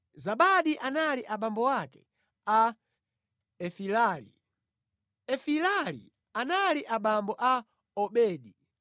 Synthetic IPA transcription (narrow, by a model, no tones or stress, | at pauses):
zaɓaɗiʔanaliʔaɓambɔwakɛ̥̰ | a | ɛfilalḭ | ɛfilalḭ | analiʔaɓambɔʔa | ɔɓɛːɗi